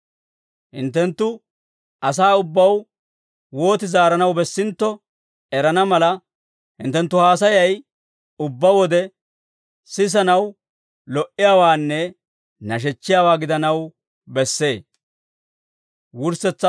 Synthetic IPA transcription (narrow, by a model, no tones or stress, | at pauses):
hɪ̰nt̪ːɛnt̪ːʊ | ʔɐs̬aːʊbːɐw | wo̞ːt̪ɪzaːɾɐnɐwbɛsːɪnt̪ːɔ | ɛɾɐnɐmɐlɐ | hɪ̰nt̪ːɛnt̪ːʊhaːs̬ɐjɐj | ʊbːɐwɔd̪ɛ | sɪs̬ɐnɐw | lɔʔɪjaːwaːnːɛ | nɐʃ̬ɛt͡ʃːɪjaːwaːɡɪd̪ɐnɐw | bɛsːe̞ː | wʊɾsɛt͡sːɐ